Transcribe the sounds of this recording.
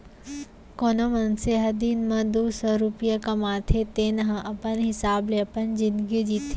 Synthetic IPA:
konəmənseɦɐd̪inmɐd̪uːsəɾupijəkɐmaːt̪ʰet̪eːnɐɦə̃ʔɐpənɦɪsaːbleɐpənd͡ʒind̪ɡid͡ʒit̪ʰi

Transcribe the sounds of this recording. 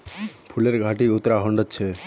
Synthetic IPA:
pʰuleɾɡʱaʈiʊt̪ːɾaɦɔɳɖət̪t͡ʃʰe

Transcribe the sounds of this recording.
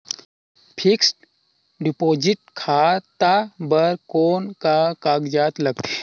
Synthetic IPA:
pʰiksʈ | ɖɪpoːd͡ʒɪʈ̚kʰaːt̪abəɾkoːnkakaːɡd͡ʒaːt̪lɐɡ̚t̪ʰi̥

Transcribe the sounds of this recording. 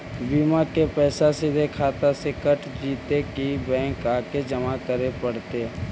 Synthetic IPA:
biːmakepɛːsasɪd̪ʱekʰaːt̪asekəʈd͡ʒiːt̪ekibɛ̃ːŋkaːked͡ʒəmakəɾepəɽt̪e

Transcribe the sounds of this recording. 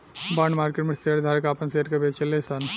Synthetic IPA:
baɳɖmaɾkeʈmest̪ʰeɾd̪ʱaɾkapənseɾkebet͡ʃʰelesən

